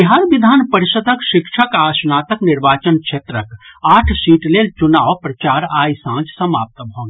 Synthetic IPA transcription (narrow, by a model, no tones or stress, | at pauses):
biɦaːɾbid̪ʱaːnpəɾiʃəd̪ʱəkʃɪkʃʰəkaːsnaːt̪əknɪɾʋaːt͡ʃənkʃʰeːt̪ɾəkaːʈʰsiːʈleːlt͡ʃunaːʋpɾɐt͡ʃaːɾaːjsãːd͡ʒsɐma̰ːp̚t̪bʱõŋɡ